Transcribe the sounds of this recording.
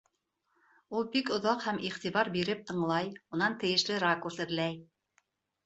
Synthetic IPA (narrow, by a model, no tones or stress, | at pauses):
ulˠbikŏðɑqhæmiχt̪iβɑɾbiɾɘp̚t̪ɤ̆ɴlˠɑjmunɑnt̪ɘ̆jɘ̆ʃlɘɾakuɾsɘ̆ðlæj